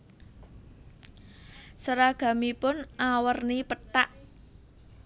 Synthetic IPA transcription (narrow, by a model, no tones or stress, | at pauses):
səɾaɡ̥a̤mipʊnawərnipət̪aʔ